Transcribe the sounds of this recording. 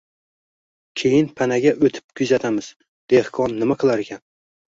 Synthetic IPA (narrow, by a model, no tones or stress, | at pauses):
kʲʰejɪnpʰanaɡʲaʔɵt̪ʰɪ̥p̚kʰʊzat̪ʰamɪz̥ | d̪̥ehkʰɒnːɪmaqʰɨlˠaɾekʲʰan